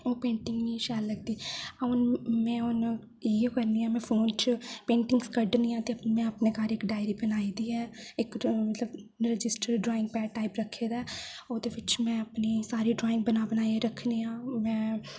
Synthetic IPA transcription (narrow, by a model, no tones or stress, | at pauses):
oːpẽːɳʈɪŋɡniːʃɛːlːəɡ̚d̪iːãːʊnmɛ̃ːʊn | iekəɾniːãːmɛ̃ːpʰoːnt͡ʃpẽːɳʈɪŋɡskəɖnijãːt̪eːəmɛ̃ːəpneːkaːɾɪkɖaːjɾiːbənaːiːd̪iːɛːɪkmət̪ləbɾɪd͡ʒɪsʈəɾɖɾoːɪ̃ŋɡ̚pɛːʈaːipɾəkʰːeːd̪aːoːd̪eːʋɪt͡ʃmɛ̃ːəpniːsaːɾiːɖɾoːɪ̃ŋɡ̚bənaːbənaːeɾəkʰniːãːmɛ̃ː